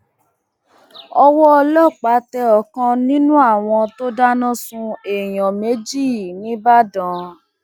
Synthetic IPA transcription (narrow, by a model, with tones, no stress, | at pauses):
ɔ˧wɔ˦ɔ˧lɔ˦˨k͡pa˨˦tɛ˧ɔ˨kã˧nĩ˦nũ˦a˦˨w̃ɔ̃˧to˦da˦nã˦sũ˧e˨j̃ɔ̃˨me˨˦d͡ʒi˦˨nĩ˨˦ba˦dã˨˦